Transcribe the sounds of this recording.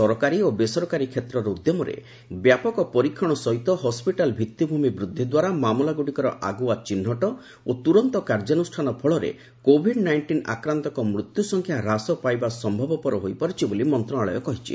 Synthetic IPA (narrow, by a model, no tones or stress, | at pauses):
ɔɾɔkaɾiobesɔɾɔkaɾikʰet̪ɾɔɾɔud̪jɔmɔɾḛ | bjapɔkɔpɔɾikʰːɔɽ̃ɔsɔɦit̪ɔɦɔspiʈalbʱit̪jubʱumibɾud̪ʱːid̪waɾamamulaɡuɽikɔɾɔ̰ʔaɡuat͡ʃinɦɔʈɔ | ot̪uɾɔnt̪ɔkaɾd͡ʒanusʈʰanɔpʰɔɭɔɾḛ | kobʱiɖnajɳʈina̰kɾant̪ɔkɔmɾut̪jusɔŋkʰjaɾasɔpajbasɔmbʱɔbɔpɔɾɔɦojpɔɾit͡ʃʰibolimɔnt̪ɾɔnaɭɔjɔkɔɦit͡ʃʰḭ